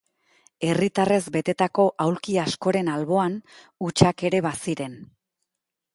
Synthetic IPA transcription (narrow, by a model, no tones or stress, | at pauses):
e̞rit̪are̞zbe̞t̪e̞t̪ako̞ʔawlkiasko̞ɾe̞nalβo̞an | ut͡ʃake̞ɾe̞βasiɾe̞n